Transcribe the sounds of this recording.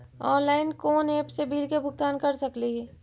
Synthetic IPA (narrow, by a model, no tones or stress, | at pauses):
ɔ̃ːnlaːɪnkoːneːpsebiːɾkebʱʊɡ̚t̪aːnkɐɾsɐkliɦɛː